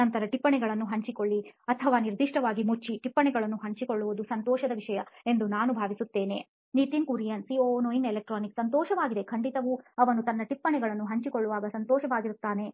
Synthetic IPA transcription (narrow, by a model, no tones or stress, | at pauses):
ɐnt̪ɐɾɐʈipːɐɳɛɡɐɭɐnːuɦɐɲt͡ʃikoɭːiɐt̪ʰɐʋaːniɾd̪iʂʈɐʋaːɡimut͡ʃːiʈipːɐɳɛɡɐɭɐnːuɦɐɲt͡ʃikoɭːuʋud̪usɐnt̪ɔːʃɐd̪ɐʋiʂɐjɐe̞nd̪unaːnubʱaːʋisut̪ːe̞ːne̞̰ | nit̪inkuɾijɐnsiːoːnoinelek̚ʈɾaːniksɐnt̪ɔːʃɐʋaːɡid̪ekʰɐɳɖit̪ɐʋuɐʋɐnut̪ɐnːɐʈipːɐɳɛɡɐɭɐnːuɦɐɲt͡ʃikoɭːuʋaːɡɐsɐnt̪ɔːʃɐʋaːɡiɾut̪ːaːne̞